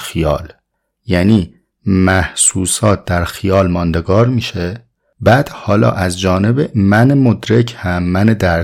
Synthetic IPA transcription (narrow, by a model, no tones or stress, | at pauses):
xijɒ̰ːl | jæːniː | mæhsuːsɒːt̪̚d̪æɾxijɒːlmɒːnd̪e̞ɡɒːɾmiːʃe | bæːd̪̥hɒːlɒ̰ːʔæzd͡ʒɒːne̞bemænemod̪ɾecʰhæmːæned̪æɾ